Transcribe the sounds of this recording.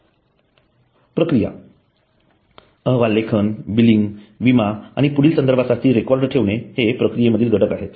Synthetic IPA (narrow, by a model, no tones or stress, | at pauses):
pɾəkɾija̰ | əɦʋalːekʰənbiliŋɡʋimaaɽ̃ipuɽiːlsənd̪əɾbʱasat̪iːɾekɔɾɖʈʰeʋɳ̃ehepɾəkɾijeməd̪ʱiːlɡʱəʈəkaɦet̪